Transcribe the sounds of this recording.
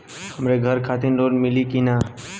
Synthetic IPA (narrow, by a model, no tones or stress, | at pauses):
həmɾeɡʱəɾkʰaːt̪ɪnɾoːɖmɪliːkinaː